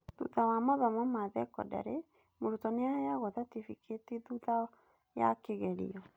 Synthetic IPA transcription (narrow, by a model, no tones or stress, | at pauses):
ðṵtawamɔðɔmɔmaðɛkɔ̰da̰ɾe | moɾutɔneajaɣɔðatifikʰeteðuða | ja̰keɣɛɾḭɔ